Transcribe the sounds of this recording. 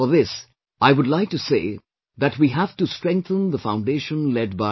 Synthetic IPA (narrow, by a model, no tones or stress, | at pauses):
fəðɪs | aɪwʊdˡlaɪk̚ʈusḛː | ðæʈwiːɦæfʈustɹ̥ɛ̃ŋk̚θə̃nðəfãʊ̃nɖeːʃə̃nlɛd̚ba